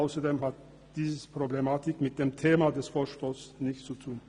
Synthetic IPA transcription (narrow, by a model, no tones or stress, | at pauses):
aʊsɐdeːmɦat̚ | d̥iːzəpʁ̥oblemaːtɪkmɪt̚d̥eːmtʰeːmadɛsfoːɐʃtoːsnɪçt͡sutʰuːn